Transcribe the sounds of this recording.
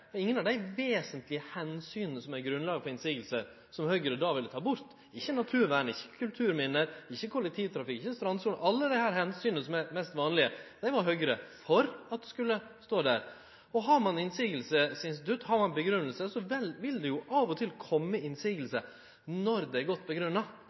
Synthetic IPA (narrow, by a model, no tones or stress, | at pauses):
ɪŋːənɑʋd̪æɪʋeːsənt̪lɪəhɛnsyːnnəsɔmæɾɡɾʉnlɑːɡəfɔɾɪnsiːɡəlsəɾ | sɔmhœɡəɾəd̪ɑʋɪlːət̪ʰɑːbʊɾt̪ | ɪçːənɑt̪ʰʉːɾʋæːɳɪçːə̥kʰʉlt̪ʰʉːɾmɪnəɾɪçːəkʰʊlɛk̚t̪ʰiːʋt̪ʰɾɑfikɪçːəst̪ɾɑnsuːlʔɑlːəd̪æɪhæːɾɦɛnsyːnəsɔmæɾmɛst̪ʋɑːnlɪəd̪̥ɛʋɑɾɦœɡəɾəfɔɾɑt̪̚d̪ɛskʉlːəst̪oːd̪æɾ | ɔɦɑɾmɑnɪnsiːɡəlsəsɪnst̪ɪt̪ʰʉt̪ːhɑɾmɑnbəɡɾʉnːəlsəsɔɛlʋɪld̪ɛjʊʔɑʋɔt̪ʰɪlkʰɔmːəɪnsiːɡəlsə | nɔɾd̪ɛæɾɡɔt̪̚ːbɔɡɾʉnːɑ